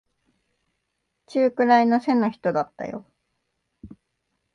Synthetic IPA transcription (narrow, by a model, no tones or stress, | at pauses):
t͡ɕɨːkɯ̟ɾaino̞se̞no̞çi̥t̪o̞d̪at̪ːa̰jo̞̰